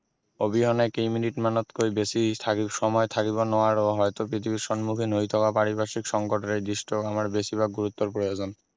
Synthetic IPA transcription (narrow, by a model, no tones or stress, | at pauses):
obiɦɔnaekejminiʈmanot̪kojbeʃit̪ʰakiʃɔmɔet̪ʰakiβonɔaɾoɦɔet̪opɾit̪ʰibiɾʃɔnmukʰinojt̪ʰokapaɾibaʃikʃɔŋkoʈoɾejd̪iʃʈoamaɾbeʃiβaɡuɾut̪ːoɾpɾojod͡ʑon